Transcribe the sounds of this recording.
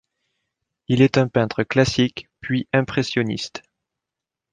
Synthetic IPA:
ilɛt̪ɛ̃pɛ̃t̪χəklasikpɥiʔɛ̃pχesjɔnḭst̪

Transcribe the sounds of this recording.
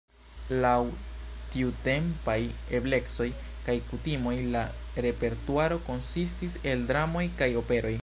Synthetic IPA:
lawtiute̞mpaj | e̞ble̞kso̞j | kajkutimo̞jla | ɾe̞pe̞ɾtuaɾo̞ko̞nsistise̞ldɾamo̞jkajo̞pe̞ɾo̞j

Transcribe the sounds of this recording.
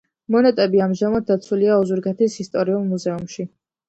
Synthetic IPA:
mɔnɛt̪ʼɛbiamʒamad̪̚d̪at̪sʰuliaɔzuɾɡɛt̪ʰisist̪ʼɔɾiulˠmuzɛumʃi

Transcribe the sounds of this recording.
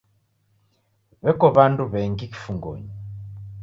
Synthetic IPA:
βɛkɔβanduβɛŋɡiki̥fuŋɡɔ̰ɲi

